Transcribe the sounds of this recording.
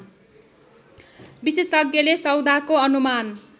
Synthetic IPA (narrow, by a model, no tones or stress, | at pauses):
bisesʌɡjʌlesʌwd̪ʱakoʌnuman